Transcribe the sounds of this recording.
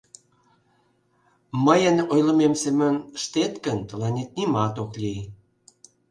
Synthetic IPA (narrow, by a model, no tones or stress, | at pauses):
məjənojlə̆memsemønʃt̪et̪kənt̪əlɑnʲet̪̚nimɑt̪oklʲij